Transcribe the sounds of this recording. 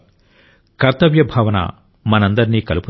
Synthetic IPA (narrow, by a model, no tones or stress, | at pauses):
kɐɾt̪ɐʋjɐbʱɐːʋɐnɐ̰ | mɐnɐnd̪ɐɾiniːkɐlupu